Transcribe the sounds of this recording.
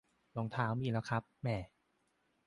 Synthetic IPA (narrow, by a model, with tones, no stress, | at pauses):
lo˧ŋt̪ʰaː˩˦wmiː˧lɛː˦˥wkʰɾa˦˥p̚mɛː˨˩